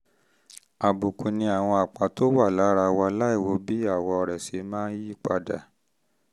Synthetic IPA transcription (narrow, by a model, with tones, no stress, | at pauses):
a˨bu˨ku˨nĩ˧a˨w̃ɔ̃˧a˨k͡pa˨to˦wa˦˨la˨˦ɾa˧wa˧˦la˦i˦˨wo˨˧˦bi˦a˦˨wɔ˧ɔ˧ɾɛ˨se˨˧˦mãː˦n˦ji˦˨k͡pa˧da̰˨